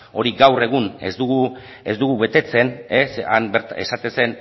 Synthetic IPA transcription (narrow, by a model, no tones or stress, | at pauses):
o̞ɾiɡawre̞ɣ̞une̞̰zd̪uɣu | ezd̪uɣuβe̞t̪e̞t͡se̞nesa̰mbeɾt̪ae̞sat̪e̞nse̞n